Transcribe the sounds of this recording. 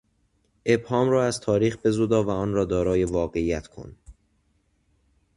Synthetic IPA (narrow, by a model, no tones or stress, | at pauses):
ʔe̞bhɒːmɾɒːæz̥t̪ʰɒːɾiːxbe̞zuːd̪ɒːvæɒːnɾɒːd̪ɒːɾɒːjevɒːɣe̞ijæt̪kʰo̰n